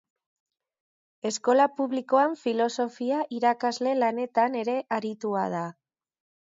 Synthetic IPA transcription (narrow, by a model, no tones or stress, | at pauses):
e̞sko̞lapuβliko̞aɱfilo̞so̞fiaʔiɾakazle̞lane̞t̪ane̞ɾe̞ʔaɾit̪uað̞a